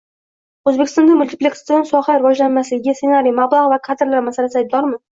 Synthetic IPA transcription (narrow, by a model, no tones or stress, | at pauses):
ɵzbekʲʰɪst̪ɒnd̪amʊlt̪ʰɪ̥plʲekʲst̪jnsɒχaɾɪvɒd͡ʒlanmasɪɡʲasenaɾijmablˠaʁvakʰad̪ɪɾlaɾmasalasɪajb̚d̪ɒɾmɪ